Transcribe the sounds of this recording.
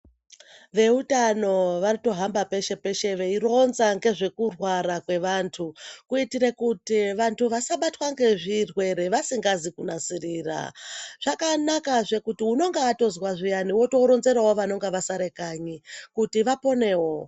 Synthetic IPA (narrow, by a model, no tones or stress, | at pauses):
ʋe̞utano̞ʋarito̞ɦambape̞ʃe̞pe̞ʃe̞ʋe̞iro̞nzaŋɡe̞ʐe̞kurwaɾakwe̞ʋantʰukuitiɾekutiʋantʰuʋasaɓatwaŋɡe̞ʐirwe̞ɾe̞ʋasiŋɡazikunasiriːra̰ʐ̥akanakaʐe̞kutiuno̞ŋɡeːto̞zwaʐijaniwo̞to̞ɾo̞nze̞ɾawo̞ʋano̞ŋɡeʋasaɾe̞kaːɲikutiʋapo̞ne̞wo̞